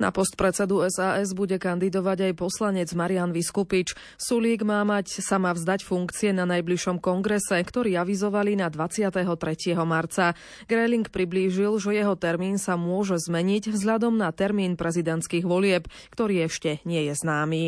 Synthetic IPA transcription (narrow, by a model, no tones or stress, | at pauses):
na̰pɔst̪̚pɾɛt͡sɛd̪uɛzaːʔɛzbuɟɛkand̪id̪ɔʋaɟajpɔslaɲɛd͡zmaɾianʋiskupit͡ʃ | suliːɡmaːmacsamaːvzd̪acfuŋkt͡siɛnanajbliʃɔmkɔŋɡɾɛsɛkt̪ɔɾiːaʋizɔʋalinad̪ʋat͡sɪat̪ɛɦɔt̪ɾɛcɪɛɦɔmaɾt͡sa | ɡɾɛliŋkpɾibliːʒilʒɛjɛɦɔt̪ɛɾmiːnsamʊɔʒɛzmɛɲiɟvzɦʎad̪ɔmnat̪ɛɾmiːnpɾɛzid̪ɛnt͡skiːɣʋɔlɪɛp | kt̪ɔɾiːɛʃcɛɲɪɛjɛznaːmiː